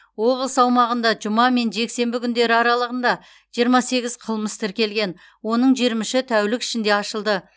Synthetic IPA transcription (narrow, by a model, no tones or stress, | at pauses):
wo̞blˠəsɑwmɑʁənd̪ɑʒʊmɑme̞nʒe̞kse̞mbɪkʲʰʏnd̪e̞ɾɪɑɾɑlˠəʁənd̪ɑ | ʒ̥ijəɾmɑse̞ɡʲɪz̥qʰəlˠməst̪ʰɪɾkʲe̞lɡʲe̞n | wo̞nəɴʒiɾmɪʃɪt̪ʰæwlɪkʲɪ̥ʃɪnd̪e̞ɑʃəlˠd̪ə